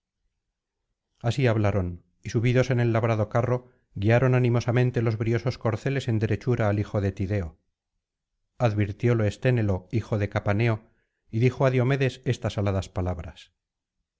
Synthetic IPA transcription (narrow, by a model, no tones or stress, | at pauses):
asiaβlaɾo̞n | isuβiðo̞se̞ne̞lːaβɾaðo̞karo̞ | ɣiaɾo̞nanimo̞samẽ̞nt̪e̞lo̞zβɾio̞so̞sko̞ɾθe̞le̞se̞nd̪eɾe̞t͡ʃuɾaːlixo̞ðe̞t̪iðe̞o | aðβiɾt̪jo̞loest̪e̞ne̞lo̞ixo̞ðe̞kapane̞o̞ | iðixoaðjo̞me̞ðe̞se̞st̪asalaðaspalaβɾas